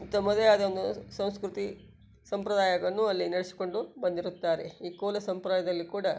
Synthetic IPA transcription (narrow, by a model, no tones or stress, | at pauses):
t̪ːɐmɐd̪ɐjaːd̪ɐond̪usɐ̃w̃skɾut̪i | sɐmpɾɐd̪aːjɐɡɐɐnːuɐlːinɐɽisi̥ko̞ɳɖubɐnd̪iɾut̪ːaːɾeiːkɔːlɐsɐmpɾɐaːjɐd̪ɐlːikuːɽɐ